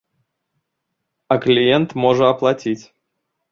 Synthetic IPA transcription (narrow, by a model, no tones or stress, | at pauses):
ɐklʲijɛnt̪mɔʐəɐplˠat͡sʲit͡sʲ